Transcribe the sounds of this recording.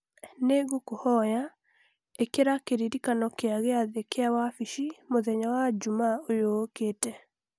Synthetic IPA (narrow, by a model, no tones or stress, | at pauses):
neɣokohɔja | ekeɾakeɾiɾikanɔkeaɣeaðekeawafiʃimoðɛɲawad͡ʒumaojokeːtɛ